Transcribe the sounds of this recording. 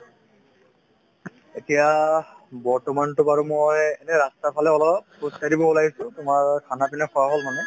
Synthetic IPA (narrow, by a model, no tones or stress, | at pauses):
etija | bɔɹtɔmantʊpaɹumojɛnɛɹastapʰalɛɔlɔp̚ːosadibɔɔlaɦisʊ̃tʊmaɹkʰanapinɛkʰɔwaɦolmanɛ